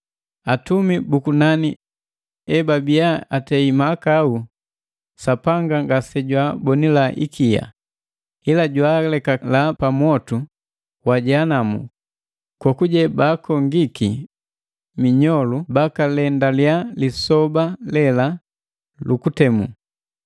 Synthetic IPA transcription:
atumibukunani | ɛbabijaatɛimakau | sapaŋɡaŋɡasɛɟwabɔnilaʔḭkija̰ | ilaɟwaːlɛkalapamɔtu | waɟanamṵ | kɔkuɟɛbakɔŋɡiki | miɲɔlubakalɛndaljalisɔbalɛla | lukutɛmṵ

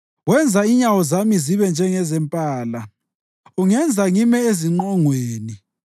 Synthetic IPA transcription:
wɛnd͡zʱaiɲawɔzamiziβɛnd͡ʒʱɛŋɛzɛmpʼaːla | uŋɛnd͡zʱaŋimɛeziŋ͡ǃɔŋweːni

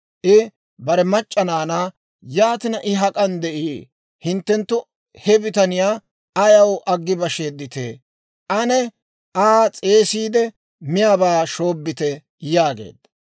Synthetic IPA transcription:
ʔɪ | bɐɾɛmɐt͡ʃʼːɐnaːna | jaːt̪ɪnɐʔɪɦɐkʼɐnd̪ɛʔiː | hɪnt̪ːɛnt̪ːʊ | hɛbɪt̪ɐnɪjaː | ɐjɐwʔɐɡːɪbɐʃeːd̪ːɪt̪ḛː | ʔɐnɛ | aːt͡sʼe̞ːsiːd̪ɛ | mɪjaːbaːʃo̞ːbːɪt̪ɛ | jaːɡḛːd̪ɐ

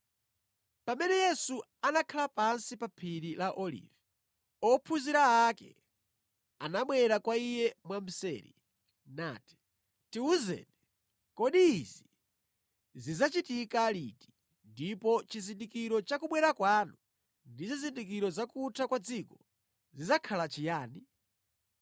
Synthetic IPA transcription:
pamɛnɛjɛsu | anakʰalapansipapʰiɾilaʔɔlḭvɛ | ɔpʰuziɾaːkɛ̰ | anaɓwɛɾakwaijɛmwam̩sɛ̰ːɾḭ | na̰ːti̥ | tiuzɛ̰nɛ | kɔɗiːzi | zizat͡ʃitikaliti̥ | ndipɔt͡ʃizindikiɾɔt͡ʃakuɓwɛɾakwanu | ndizizindik̬iɾɔzakutʰakwad͡zikɔ | zizakʰalat͡ʃʰijaːni

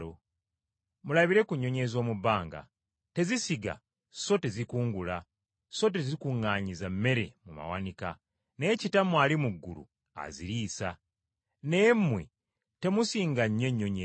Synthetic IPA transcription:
o | mulaβiɾe̞kuɲːo̞ɲe̞zo̞ːmubaːŋɡa̰ | te̞zisiɡa̰ | so̞te̞zikuːŋɡula | so̞t̬e̞zikuŋːaːɲizamːe̞ɾe̞̰muma̰wa̰nika | necitamwaːlimuɡːṵlṵ | a̰ziɾiːsa | ne̞ːmːwḛ | te̞musiːŋɡaɲːe̞ɲːoɲe

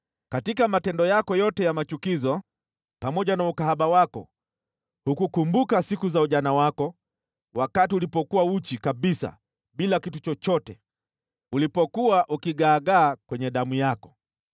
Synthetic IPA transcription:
katikamatɛndɔjakɔjɔtɛjamat͡ʃukizɔ | pamɔʄanaukaɦaɓawakɔ̰ | hukukumbukasikuzauʄanawakɔ | wakatiulipɔkuwaut͡ʃikaɓisa̰ | ɓilakitut͡ʃɔt͡ʃɔtɛ | ulipɔkuwaʔukiɠaːɠaːkwɛɲɛɗamujakɔ̥

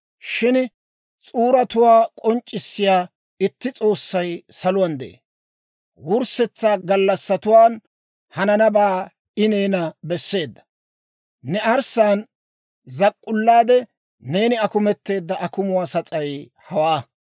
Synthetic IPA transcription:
ʃɪn | t͡sʼuːɾɐt̪ʊwaːkʼɔnt͡ʃʼːɪsːɪjaː | ɪt̪ːɪt͡sʼo̞ːsːɐjsɐlʊwɐnd̪ɛ̰ʔḛ | wʊɾsɛt͡sːaːɡɐlːɐsːɐt̪ʊwaːn | hɐnɐnɐbaː | ɪneːnɐbɛsːe̞ːd̪ːɐ̥ | nɛɐɾsaːn | zɐkʼːʊlːaːd̪ɛ | ne̞ːnɪɐkʊmɛt̪ːe̞ːd̪ːɐʔɐkʊmʊwaːsɐt͡sʼɐj | hɐwaː

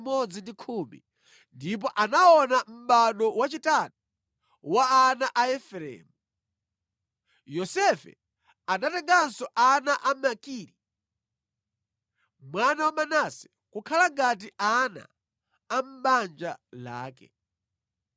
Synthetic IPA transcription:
mɔd͡zindikʰumḭ | ndip̬ɔʔanaɔnam̩ɓaɗɔwat͡ʃitatu̥ | waːnaʔaɛfɛɾɛ̰ːmu | jɔsɛfɛ̰ | anatɛŋɡansɔʔanaʔamakiɾi | mwanawamanasɛ̥ | kukʰalaŋɡat̬iʔana̰ː | m̩ɓand͡ʒala̰ːkɛ̰

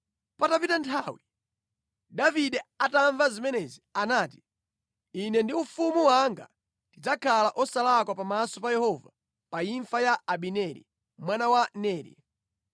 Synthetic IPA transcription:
patapitantʰawi | daviɗɛataɱvazimɛnɛzianaːti̥ː | nɛndiufumuwaŋɡa̰ | ndid͡zakʰalaʔɔsalakwapamasɔpajɛhɔva | paiɱfajaaɓinɛɾḭ | mwanawanɛːɾḭ

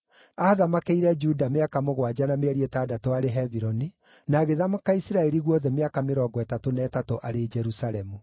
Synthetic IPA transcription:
aðamakeiɾɛd͡ʒudameakamoɣwad͡ʒanameaɾiɛtaːdatoaɾeɦɛviɾɔni | naːɣeðamakaisiɾaɛɾiɣwɔðɛmeakameɾɔːɡɔɛtatonɛːtatoʔaɾed͡ʒɛɾusaɾɛmu

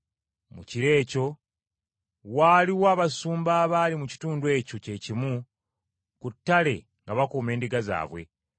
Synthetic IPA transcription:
muciɾe̞ːco̞ | waːliwaːβasuːmbaːβaːlimuci̥tuːndwe̞ːco̞ce̞cimu | kutːale̞ | ŋɡaβakoːme̞ːndiɡaza̰ːβwe̞̰

